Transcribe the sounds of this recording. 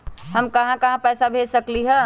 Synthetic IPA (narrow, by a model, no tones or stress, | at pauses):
həmkɐɦãkɐɦãpɛːsabʱesəkliɦɛ̃